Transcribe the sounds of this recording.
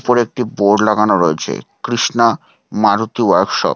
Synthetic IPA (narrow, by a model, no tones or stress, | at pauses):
poɾek̚ʈiboɖlaɡanoɾoet͡ɕʰḛkɾiʃna | maɾut̪iwaɾkʃɔ̰p